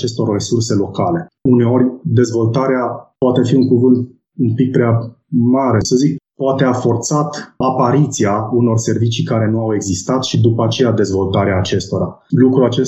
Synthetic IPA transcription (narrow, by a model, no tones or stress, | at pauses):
t͡ʃe̞st̪o̞rre̞surse̞lo̞kale̞une̞o̞ɾʲd̪e̞zvo̞lt̪aɾeapoat̪e̞fiuŋkuvɨnt̪ | umpik̚pɾea | maɾesəzik̚poat̪eafo̞rt̪sat̪apaɾit̪siauno̞rse̞rvit͡ʃikaɾe̞nuawe̞ɡzist̪at̪ʃid̪upəat͡ʃe̞jad̪e̞zvo̞lt̪aɾeaːt͡ʃe̞st̪o̞ɾa | lukɾuat͡ʃe